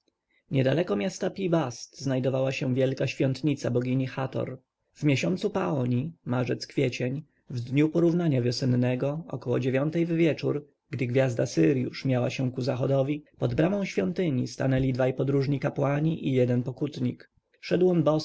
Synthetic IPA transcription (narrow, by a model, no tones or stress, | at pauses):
ɲɛd̪alɛkɔmʲjast̪apʲibast̪znajd̪ɔvawaɕɛ̃vʲjɛlkaɕfʲjɔnt̪ɲit̪sabɔɡʲiɲixat̪ɔ̰ɾ | vmʲjeɕɔnt̪supaɔɲimaʐɛt̪skfʲjɛt͡ɕɛɲ | vd̪ɲupɔɾuvnaɲavʲjɔsɛnːɛɡɔɔ̰kɔwɔ̰d͡ʑevʲjɔnt̪ɛjvvʲjɛt͡ʂuɾ | ɡd̪ɘɡvʲjazd̪asɘɾjṵʂmʲjawaɕɛ̃kuzaxɔd̪ɔvʲipɔd̪bɾamɔ̃w̃ɕfʲjɔnt̪ɘɲist̪anɛlʲid̪vajpɔd̪ɾuʐɲikapwaɲiʔijɛd̪ɛnpɔkut̪ɲik | ʂɛd̪wɔnbɔ